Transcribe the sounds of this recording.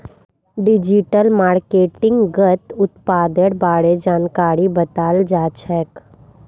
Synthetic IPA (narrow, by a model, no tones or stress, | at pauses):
ɖɪd͡ʒiʈəlmaːɾkeːʈɪ̃ŋɡɡət̪ʊt̪paːd̪əɽbaːɽed͡ʒaːnkaːɾibət̪aːld͡ʒaːt͡ʃʰɛːk